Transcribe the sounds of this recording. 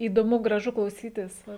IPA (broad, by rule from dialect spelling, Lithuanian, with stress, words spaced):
iːdoːˈmʊ ɡrɐˈʒʊ klˠɐʊˈsʲiːtʲɪs ˈʋɐ